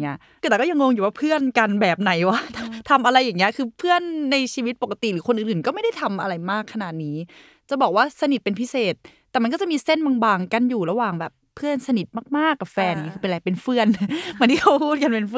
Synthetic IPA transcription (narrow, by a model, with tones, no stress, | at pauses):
i˦˥ɐʔ | kɯ˧˩t̪ɛ˨˩kɔː˥˩ja˧ŋo˧ŋjuː˨˩waː˥˩pʰɯ˥˩ənka˧nbɛː˨˩p̚na˨˩˦jwa˦˥˩t̪ʰt̪ʰa˧mʔa˧ɾa˧jːaː˨˩ŋːi˦˥ɐʔkʰɯː˧pʰɯ˥˩ənːa˧jt͡ɕʰiː˧wi˦˥t̪̚po˨˩ka˧t̪i˨˩ɾɯː˩˦kʰo˧nʔɯː˨˩nʔɯː˨˩nkɔ˥˩ma˥˩jda˥˩jt̪ʰa˧mʔa˧ɾa˧jmaː˥˩kʰːa˧naː˨˩t̪̚niː˦˥ | t͡ɕa˨˩bɔː˨˩k̚waː˥˩sa˧ni˨˩t̪̚pe˧npʰi˦˥seː˨˩t̪̚ː | ɛː˨˩ma˧nkɔː˥˩t͡ɕa˨˩ʔmiː˧se˥˩nmaː˧ŋbaː˧ŋka˧njuː˨˩ɾa˧waː˨˩ŋbɛː˨˩pʰːɯ˥˩ənsa˧ni˨˩t̪̚maː˥˩k̚maː˥˩kːa˨˩p̚fɛː˧nja˨˩ŋi˦˥kʰɯ˧pe˧nlaː˧˩pe˧nfɯ˥˩ənma˧nt̪ʰi˥˩xʰa˧˥wpʰuː˥˩t̪̚ka˧npe˧nf